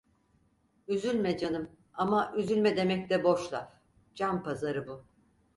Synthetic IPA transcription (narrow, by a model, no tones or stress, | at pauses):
yzylʲmɛd͡ʒanɯm | amaʔyzylʲmɛd̪e̞mɛclɛbo̞ʃlˠa | d͡ʒampʰazaɾɯbu